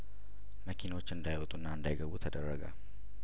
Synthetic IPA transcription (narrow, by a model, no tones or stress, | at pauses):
məkʰinwot͡ʃːɨnd̪ajwɔt̪ʼunːaɨnd̪ajɡəβut̪ʰəd̪ərːəɡə̰